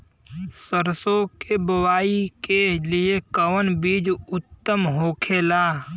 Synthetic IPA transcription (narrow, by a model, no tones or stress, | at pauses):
səɾsõkebɐwaːikelɪekəwənbiːd͡ʒʊt̪ːəmɦoːkʰeːlaː